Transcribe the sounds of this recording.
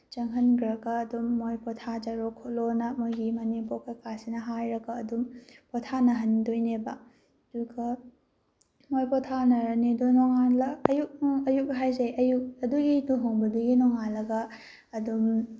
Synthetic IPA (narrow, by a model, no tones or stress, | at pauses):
t͡ʃɐŋɦɐnɡɾɐɡɐːdumːojpɔtʰad͡ʒaɾokʰolonɐmojɡimɐnipɔkakasinɐɦajɾɐkɐːdumpɔtʰanɐɦɐndojnebɐ | dukʰɐ | mojpɔtʰanɐɾɐnidɔnɔŋalɐɐjuk̚ɐjuk̚ɦajzɐjɐjuk̚ɐduɡinuɦoŋbɐduɡinɔŋalɐɡɐː | dum